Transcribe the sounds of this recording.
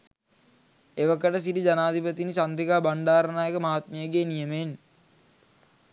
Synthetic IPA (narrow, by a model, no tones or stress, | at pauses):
eʋəkəʈəs̬iʈid͡ʒanaːd̪ʱipət̪inisand̪ɾikaːbaɳɖaːɾənaːjekəmaɦat̪̚məjəɡeːnijəmen